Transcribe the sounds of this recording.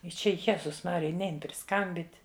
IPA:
ɪ ˈt͡ʃʲɛ ˈjæːzʊs ˈmɑːrʲɪjɛ ˈnʲɛɪn pʲrʲɪˈskɐmʲbʲiːtʲ

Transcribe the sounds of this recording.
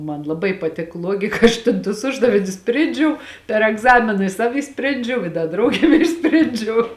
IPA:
ˈmɐn lˠɐˈbɐɪ pɐˈtʲɪk ˈlˠuɔɡʲɪkɐ ˈɐʃ tʲeːn tʊs ˈʊʒdɐʋʲɪnʲʊs ˈsʲpʲrʲeːnʲd͡ʒʲɛʊ pʲɛr ɛɡˈzɑːmʲɪnɐ ɪ ˈsɑːʋʲɪ ɪʃʲˈsʲpʲrʲeːnʲd͡ʒʲɛʊ ɪ ˈdɐ ˈdrɐʊɡʲeːm ˈɪʃʲsʲpʲrʲeːnʲd͡ʒʲɛʊ

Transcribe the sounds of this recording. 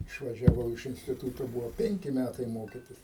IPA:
ɪʃʋɐʒʲɛˈʋɐʊ ɪʃ ɪnʲsʲtʲɪˈtuːtoː ˈbʊʋoː ˈpʲɛŋʲkʲɪ ˈmʲætɐɪ ˈmoːkʲiːtʲɪs

